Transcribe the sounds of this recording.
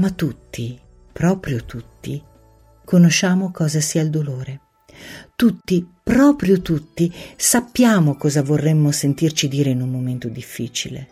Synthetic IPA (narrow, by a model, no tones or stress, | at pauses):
mat̪ːut̪ːi | pɾɔːpɾjot̪ut̪ːi | konoʃaːmokɔːzasiːaild̪oloːɾe | t̪ut̪ːipɾɔːpɾjot̪ut̪ːisapːjaːmokɔːzavorːɛmːosent̪irt͡ʃid̪iːɾeinummoment̪od̪ifːiːt͡ʃilḛ